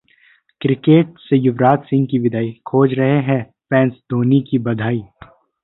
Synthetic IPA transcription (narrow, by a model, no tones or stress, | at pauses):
kɾɪkeːʈ̚sejʊʋɾaːt̪sɪ̃ŋɡkiʋɪd̪ʱaːikʰoːd͡ʒɾɐɦeɦɛ̃ | pɛ̃ːnsd̪oːnikibɐd̪ʱaːiː